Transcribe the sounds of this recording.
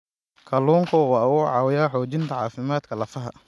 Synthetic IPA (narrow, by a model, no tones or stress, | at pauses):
kʰɐluːŋkʰʊwɑːʊʊʕɑ̰ːwɪjaːħɔːt͡ʃɪnt̪ʰɐʕɑːfɪmaːd̪kʰɐlɐfɐɦɐ̰